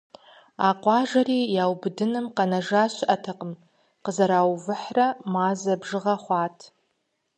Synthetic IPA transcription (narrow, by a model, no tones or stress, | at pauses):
aqʷʼaʒʷaɾijawbdɨnɨmqʼanaʐaʃʷʔatʰaqʼəm | qəzaɾawvɨħramazabʐɨʁaχʷatʰ